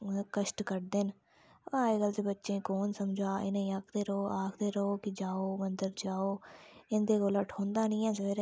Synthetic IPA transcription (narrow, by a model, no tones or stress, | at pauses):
kəʃʈkəɾd̪eːn | aːeːɡəlt͡ʃ̪ebətːʃẽːkoːnsəmd͡ʒaːʔɪ̰nãːĩːaːkʰd̪eːɾəɦoːaːkʰd̪eːɾəɦoːkɪd͡ʒaːoːmənd̪əɾd͡ʒaːoːɪnd̪eːkoːləʈʰõːnd̪aːnĩːɛ̃ːsəʋeːɾ